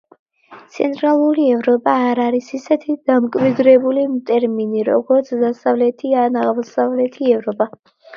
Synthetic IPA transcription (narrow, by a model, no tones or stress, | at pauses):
t̪sʰɛ̰nt̪ʼɾalˠuɾiɛvɾɔpʼaːɾaɾisisɛt̪ʰid̪̥amkʼwid̪ɾɛbulimt̪ʼɛɾminiɾɔ̰ɡɔɾt̪sʰd̪asavlɛt̪ʰianaʁmɔsavlɛt̪ʰiɛvɾɔpʼa